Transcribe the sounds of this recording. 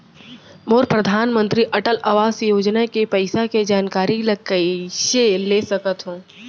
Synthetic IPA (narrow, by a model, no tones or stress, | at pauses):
moːɾpɾɐd̪ʱaːnmə̃nt̪ɾiʔɐʈəlɐʋaːsjoːd͡ʒnakepɐɪsaked͡ʒaːnkaːɾilɐɡ̚kəʃelesɐkət̪ɦõː